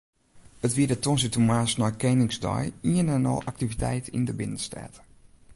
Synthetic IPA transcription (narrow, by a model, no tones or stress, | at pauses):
ətʋiədətɔnsitumaːsnɔjkɛnɪŋsdɔ̰jiənɛnɔ̰lˠʔak̚tivitɛ̰jtḭndəbɪnənstɛ̰t